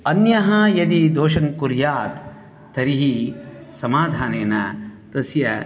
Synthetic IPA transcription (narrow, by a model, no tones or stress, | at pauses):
ɐnjɐɦɐjɐd̪id̪oːʃɐŋkuɾjaːt̪ːʰ | ɐɾiɦisɐmaːd̪ʱaːneːnɐt̪ɐsjɐ